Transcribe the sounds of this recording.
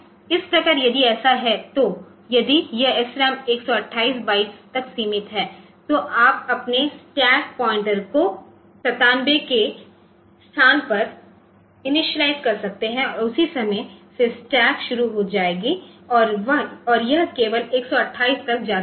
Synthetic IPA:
ɪspɾɐkəɾjɐd̪iɛːsaɦɛt̪o | jɐd̪ijɐɛsɾɛmeːksɔɐʈʰːaːiːsbaːiːst̪ɐksiːmɪt̪ɦɛː | t̪oʔaːp̚ɐpnesʈɛːk̚pɔːɪ̃ɳʈəɾko | sɐt̪aːnbeke | st̪ʰaːnpɐɾ | ɪnɪʃəlaːɪzkɐɾsɐk̚t̪eɦɛ̃ɔɾʊsisɐməjsesʈɛːkʃʊɾuɦod͡ʒaːeːɡiɔːɾʋɐɦɔːɾjɐɦkeːʋəleːksɔɐʈʰːaːiːst̪ɐk̚d͡ʒaːd̪

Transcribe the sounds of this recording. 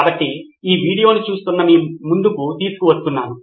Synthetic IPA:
bɐʈːi | iːʋiːɽijo̞ːnit͡ʃuːst̪unːɐmiːmmund̪ukut̪iːsu̥kuʋɐst̪unːaːnu

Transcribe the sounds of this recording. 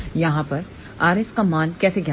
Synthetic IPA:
jɐɦãpɐɾ | aːɾɪskamaːnkɛːseɡʱja

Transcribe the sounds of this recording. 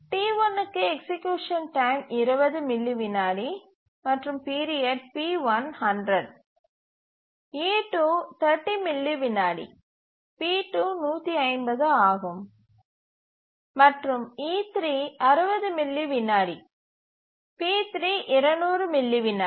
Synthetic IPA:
ʈiːʋɐnɯkːɯɛksɪkjuːʂɐnʈɐɪmɪɾɯbɐðɯmɪlːiʋɪnːaːɽi | mɐʈrɯmpiːɾieʈ̚piːʋɐnhɐɳɖɾɐɖ̚ | iːʈuːt̪ʰɐɾʈːimɪlːiʋɪnːaːɽḭ | piːʈuːnuːt̪ːiɐɪmbɐðɯaːɣɯm | mɐʈrɯmiːt̪ɾiːɐɾɯbɐðɯmɪlːiʋɪnːaːɽi | piːt̪ɾiːʔɪɾɐɳuːɾɯmɪlːiʋɪnːaː

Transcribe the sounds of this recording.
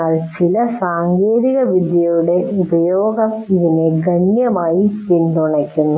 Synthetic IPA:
aːɭt͡ɕilɐsaːŋɡeːðiɣɐʋid̪jɐjuɽe̞ubɐjoːɡɐmiðine̞ɡɐɳjɐmaːjitind̪uɳɐkʲːunːu

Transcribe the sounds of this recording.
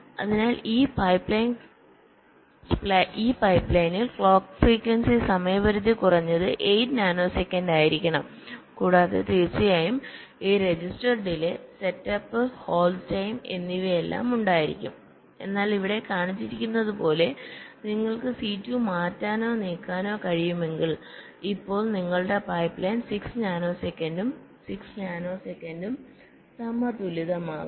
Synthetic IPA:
ɐ̰ðinaːliːpɐjpːɭɐjn | pɭiːpɐjpːɭɐjnilkɭoːkfriːkːwɐnsisɐmɐjɐʋɐɾut̪ːikurɐɲːɐðɨʔejtnaːnoːsekʲːɐndaːjiɾikʲːɐɳɐm | kuːɽaːðe̞̰t̪iːrt͡ɕːɐjaːjum | iːɾe̞d͡ʑisʈɐrɖilese̞tːɐpːɨho̞ːltɐjme̞̰nːiʋɐelːa̰ːmuɳɖaːjiɾḭkʲːṵm | e̞̰nːaːliʋiɽe̞kaːɳit͡ɕːiɾikʲːunːɐðupo̞ːle̞niŋːɐɭkɨsiːtːumaːtːaːno̞ːniːkːaːno̞ːkɐɻijume̞ŋɡiɭ | ipːo̞ːɭniŋːɐɭuɽe̞pɐjpːleːnsiksɲaːno̞ːsekʲːɐndum | siksɲaːno̞ːsekːɐndum | sɐmɐt̪uliðɐmaː

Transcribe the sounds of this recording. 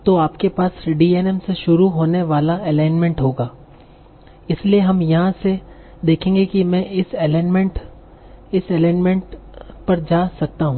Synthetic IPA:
t̪oaːpkepaːsɖiːɛːnɛmseʃʊɾuɦoːneʋaːlaɛlaːɪnmẽɳʈɦoːɡaː | ɪslieɦɐmjɐɦãse | d̪eːkʰẽːŋɡekimɛ̃ʔɪsɛlːnmẽɳʈ | ɪsɛlaːnmẽɳʈ | pɐɾd͡ʒaːsɐk̚t̪aɦũː

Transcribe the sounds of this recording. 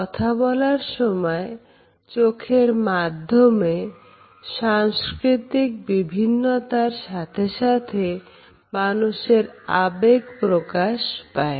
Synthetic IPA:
kɔt̪ʰabɔlaɾʃɔmɔe | t͡ɕokʰeɾmad̪ʱːome | ʃaŋskɾit̪ik̚bibʱinːot̪aɾʃat̪ʰeʃat̪ʰe | manuʃeɾabeɡpɾokaʃpae

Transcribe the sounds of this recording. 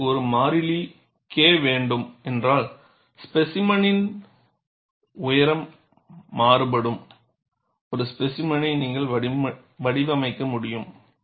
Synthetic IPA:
ɔɾɯmaːɾɪli | keːʋeːɳɖɯmɛndraːɭ | spɛsɪmɐnɪn | ʊjɐɾɐmː | aːɾɯpɐɽɯm | ɔɾɯspɛsɪmɐnɐɪniːŋɡɐɭɐ | ʋɐɽɪʋɐmɐɪkːɐmʊɽɪjɯm

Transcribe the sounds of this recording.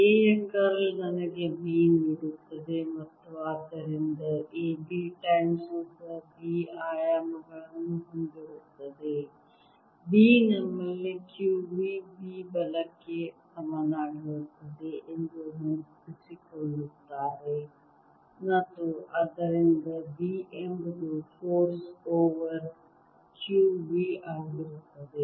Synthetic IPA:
eːjɐkɐɾlnɐnɐɡebiːniɽut̪ːɐd̪emɐt̪ːuaːd̪ɐɾind̪ɐʔeːbiʈɐjmsud̪ɐbiːaːjaːmɐɡɐɭɐnːuɦɐnɡeɾut̪ːɐd̪e | biːnɐmːɐlːikjuːbibiːbɐləkːesɐmaːnaːɽɦot̪ɐd̪eʔɪnd͡ʒoɦʊ̃npɪsikolʊkt̪aːɾe | nɐt̪oʔɐd̪əɾɪnd̪ɐbiːʔembd͡ʒofoːɾsoːʋəɾ | kjuːbiːʔaːɡɾɐt̪ɐd̪eː

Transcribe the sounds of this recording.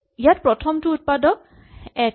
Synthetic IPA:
ijatpɹɔtʰɔmtuut̚padɔk̚ | ɛ

